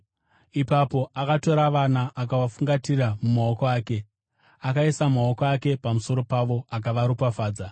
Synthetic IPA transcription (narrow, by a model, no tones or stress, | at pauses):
ipapo̞ʔakato̞ɾaʋanaːkaʋafuŋɡatiramumao̞koaːke̞ | akaisamao̞koake̞pamuso̞ɾo̞paʋo̞akaʋaɾupafaːd͡za